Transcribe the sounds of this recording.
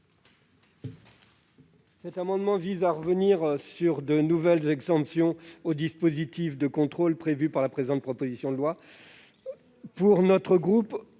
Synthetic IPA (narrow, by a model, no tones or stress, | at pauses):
sɛt̪amɑ̃d̪mɑ̃vizaʁəvəniʁsyʁd̪ənuvɛlzɛɡzɑ̃psjɔ̃od̪ispozit̪ifd̪əkɔ̃t̪χolpχevypaʁlapχezɑ̃t̪̚pχɔpozisjɔ̃d̪əlwa | puʁnɔt̪χəɡʁup